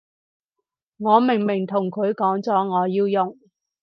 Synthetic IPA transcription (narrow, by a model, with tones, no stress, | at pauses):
ŋɔː˨˧mɪ˨˩ŋmɪ˨˩ŋt̪ʰʊ˨˩ŋkʰɵ˨˧ɥkɔː˨˥ŋt͡sɔː˨˥ŋɔː˨˧jiː˧wjʊ˨ŋ